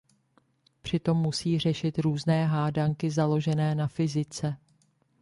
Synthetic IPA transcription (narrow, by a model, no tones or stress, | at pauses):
pr̥ɪt̪o̞mːusiːr̝ɛʃɪt̪ɾuːznɛːɦaːdaŋkɪzalo̞ʒɛnɛːnafɪzɪt͡sɛ